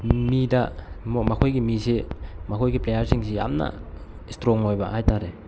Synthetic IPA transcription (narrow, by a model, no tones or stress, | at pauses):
midamɔmakʰojɡimisimakʰojɡiplejaɾsiŋsija̰mna̰ | stɾɔŋːojbahajtaɾe